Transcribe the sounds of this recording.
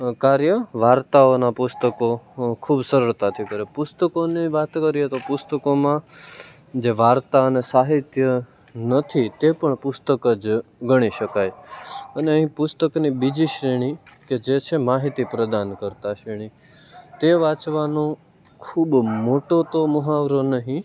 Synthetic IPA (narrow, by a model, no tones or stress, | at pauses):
kaɾjəʋaɾt̪aonapʊst̪əkokʰubsəɾəɭt̪at̪ʰikəɾepʊst̪əkoniʋat̪kəɾiɦet̪opʊst̪əkomã | d͡ʒeʋaɾt̪aənesaɦit̪jə | nət̪ʰit̪epəɳpʊst̪əkəd͡ʒɡəɽ̃iʃəkajəneəɦĩpʊst̪əknibid͡ʒiʃɾiɽ̃iked͡ʒet͡ʃʰemaɦit̪ipɾəd̪ankəɾt̪aʃɾiɽ̃i | t̪eʋat͡ʃʋanõ | kʰubmoʈot̪oməɦaʋɾonəɦĩ